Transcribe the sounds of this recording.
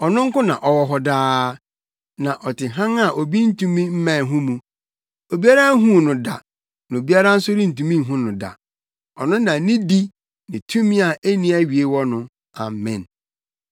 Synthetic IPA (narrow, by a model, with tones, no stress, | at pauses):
ɔ˨nʊ̃˦ŋ̩˦kʊ̃˦nã̰˨ʔɔ˨wɔ˨ɦɔ˨daː˦ | nã˨ʔɔ˨tɪ˨ɦã˦ŋa˦˨ʔo˨bi˦n̩˦tũ˦mĩ˦m̩˦mã˨ɦũ˦mũ˨ | o˨bi˦a˦ɾa˦ɦũ˦˨nʊ̃˨da˨ | nã˨o˨bi˦a˦ɾa˦n̩˦sʊ˦ɾĩ˦n̩˨tũ˨mĩ˦ɦũ˦nʊ̃˨da̰˨ | ɔ˨nʊ̃˦nã˨˦nĩ˦di˦ | nɪ̃˨tʰũ˦mĩ˦a˨e˦nĩ˦a˦ɥi˨e˦wɔ˦nʊ̃˨ | a˨mɛ̰̃˨n